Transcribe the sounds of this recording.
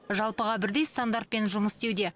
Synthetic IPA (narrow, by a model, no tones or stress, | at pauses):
ʒɑlˠpəʁɑbɪɾd̪ejst̪and̪art̪̚pe̞nʒʊməst̪e̞wd̪e̞